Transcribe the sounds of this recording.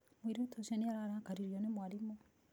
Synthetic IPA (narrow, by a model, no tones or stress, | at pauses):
mwiɾutoʃaneaɾaːɾaːkaɾiɾjonemwaɾimo